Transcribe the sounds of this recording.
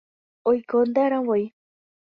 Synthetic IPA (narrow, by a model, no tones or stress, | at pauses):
ojkond̪aɾãwoj